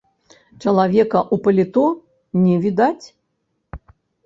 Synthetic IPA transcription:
t͡ʃɐlˠavʲɛkɐʔupɐlʲit̪ɔ | nʲɛvʲid̪at͡sʲ

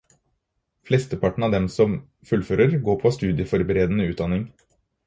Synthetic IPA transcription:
flɛst̪əpʰɑʈːɳ̩ɑːʋd̪ɛmsɔm | fʉlføːɾəɾɡoːɾpʰɔst̪ʉːd̪ɪəfɔɾbəɾeːd̪ənəʉːt̪̚d̪ɑnɪŋ

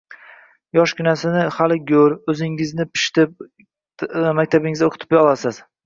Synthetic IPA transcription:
jɒʃkʲɪnasɪnɪhalɪɡʲɵɾɵzɪŋɪznɪpʰɪ̥ʃt̪ɪp̚ | makʲt̪ʰabɪŋɪzaoqʰʊt̪ʰɪpjɒlasɪz̥

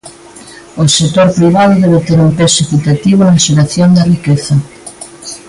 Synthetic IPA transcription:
osek̚t̪oɾpɾiβ̞aðʊðeβ̞et̪eɾumpesekit̪at̪iβonaʃeɾaθjond̪ɐrikeθɐ

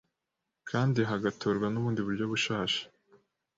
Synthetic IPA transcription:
kʰaːndiɦaɡatoːɾɡwanuβuːndiβuɾɟo̞βuʃaːʃḁ

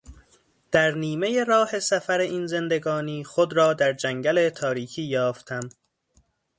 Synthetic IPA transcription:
d̪̥æɾniːme̞je̞ɾɒːhe̞sæfæɾeʔiːnze̞nd̪e̞ɡɒːniːxod̪ɾɒːd̪æɾd͡ʒæŋɟæle̞t̪ʰɒːɾiːkʰiːjɒːft̪ʰæm

